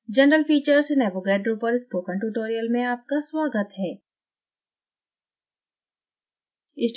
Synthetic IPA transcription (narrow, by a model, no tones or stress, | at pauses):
d͡ʒɐnɾəlfiːt͡ʃəɾsenɛːboɡɛːʈɖɾuːpəɾɪspoːkə̃ɳʈuːʈoːɾijəlmẽaːp̚kasʋaːɡət̪ɦɛː | ɪsʈ